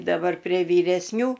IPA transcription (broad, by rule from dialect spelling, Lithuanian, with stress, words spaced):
dɐˈbɐr pʲrʲiɛ ʋʲiːrʲɛsʲˈnʲuː